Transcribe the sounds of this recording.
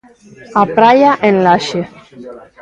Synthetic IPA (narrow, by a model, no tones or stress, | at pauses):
apɾajaʔenlaʃe